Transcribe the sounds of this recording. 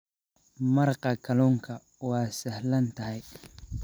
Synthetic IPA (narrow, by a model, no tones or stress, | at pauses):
mɐrqɑkʰɐluːŋkʰɐ | wɑːsɐhlɐnt̪ʰɐɦɛj